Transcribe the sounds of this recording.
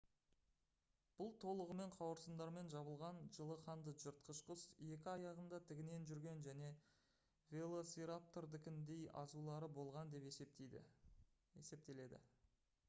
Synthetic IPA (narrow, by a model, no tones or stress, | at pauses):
b̥ʊlˠt̪ʰo̞lˠəʁəme̞ɴqʰɑwəɾsənd̪ɑɾme̞nʒɑβəlˠʁɑnʒəlˠəqʰɑnd̪əʒəɾt̪̚qʰəʃqəse̞kʲɪɑjɑʁənd̪ɑt̪ʰɪɡʲɪne̞nʒʏɾɡʲe̞nʒæne̞ | vʲe̞lˠo̞sʲiɾap̚t̪oɾd̪ɪkʲɪnd̪e̞jɑ̰zulˠɑɾəbo̞lˠʁɑnd̪e̞p̪ | ḛse̞p̚t̪e̞le̞d̪ɪ̰